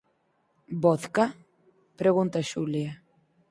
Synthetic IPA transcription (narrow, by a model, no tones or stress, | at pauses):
boθka | pɾeɣunt̪aʃulia